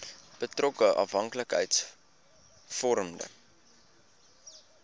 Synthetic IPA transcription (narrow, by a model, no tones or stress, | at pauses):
b̥ətrɔkəʔɐ̰fɦɐŋkləkɦə̰jts | fɔɾəmdə̰